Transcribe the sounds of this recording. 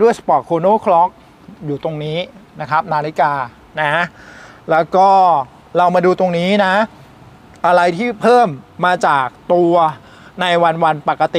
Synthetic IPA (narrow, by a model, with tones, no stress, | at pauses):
du˥˩əjsa˧˩pɔː˨˩t̪̚kʰoː˧noː˥˩kʰlɔ˦˥k̚ | juː˨˩t̪o˧ŋniː˦˥na˦˥kʰɾa˦˥p̚naː˧li˦˥kaː˧ | na˦˥a˦˥lɛː˦˥wkɔː˥˩ | ɾa˧wmaː˧duː˧t̪o˧ŋniː˦˥na˦˥ | ʔa˧ɾa˧jt̪ʰiː˥˩pʰɤː˥˩mːaː˧t͡ɕaː˨˩k̚t̪u˧ɐ | na˧jwa˧nwa˧npa˨˩kːa˧t̪i˨˩